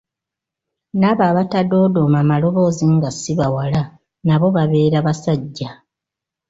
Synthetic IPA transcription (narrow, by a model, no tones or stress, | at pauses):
naβaːβatado̞ːdomamalo̞βo̞ːziŋɡasiβawala | naβo̞βaβe̞ːɾaβasaɟːa